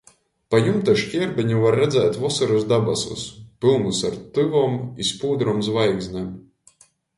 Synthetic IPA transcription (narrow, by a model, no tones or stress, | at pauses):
pajumt̪aʃcʲiɛɾbʲiɲuvaɾːɛd̪zɛːt̪ʲvɔsɨɾusd̪abasṵspɨlˠnusaɾt̪ɨvɔːmispuːd̪ɾɔmzvajɡzʲnɛm